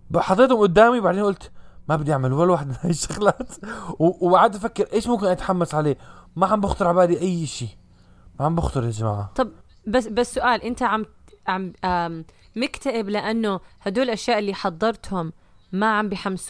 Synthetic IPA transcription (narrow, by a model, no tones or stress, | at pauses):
baħɑt̪ˤːeːt̪hʊmʔʊd̪ːaːmiwbaʕd̪eːnʔʊlt̪mabɪd̪ijaʕmalwalːwaːħɪd̪mnajɪʃːaɣlaːt̪wwbaʕad̪ʔafakːɪɾʔeːʃmʊmkɪnʔat̪ḁħamːasʕaleːmaʕambʊxt̪ɨɾˤʕabaːd̪iʔajːʃiː | maʕambʊxt̪ɨɾad͡ʒama̰ːʕat̪ˤɑb | basbasːʊʔaːlʔɪnt̪aʕamt̪ʕama | mɪkt̪aʔɪblɪʔanːʊhad̪uːlʔaʃjaːʔɪlːiːħɑd̪ˤːɑɾˤt̪hʊmː | aʕambiħams